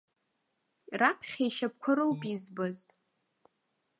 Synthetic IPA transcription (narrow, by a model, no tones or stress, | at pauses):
rapʰχʲajʃap̚kʷʰaɾowpʼizbaz